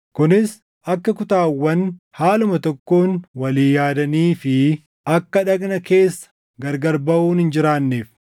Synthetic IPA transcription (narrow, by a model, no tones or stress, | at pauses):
kʊnɪs | ɐkːɐkʊt̪aːwːɐn | haːlʊmɐt̪ɔkːoːnwɐliːjaːd̪ɐniːfɪ | ɐkːɐᶑɐknɐke̞ːsːɐ̥ | ɡɐɾɡɐɾbɐʔuːnhɪnd͡ʒɪɾaːnːeːf